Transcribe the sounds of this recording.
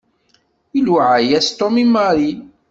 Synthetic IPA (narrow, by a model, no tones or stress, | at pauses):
iluʕajæst̪omimɑɾi